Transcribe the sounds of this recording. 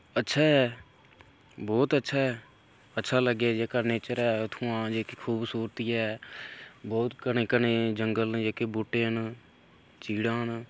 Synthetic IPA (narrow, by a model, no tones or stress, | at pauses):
ətːʃʰaːɛː | bɔːt̪ətːʃʰaːɛː | ətːʃʰaːləɡaːd͡ʒeːkaːneːt͡ʃəɾɛːʊt̪ʰũːãːd͡ʒeːkekʰuːbsuːɾt̪ijɛː | bɔːt̪kəneːkəneːd͡ʒəŋɡəld͡ʒeːkeːbʊʈːeːn | t͡ʃiːɽãːn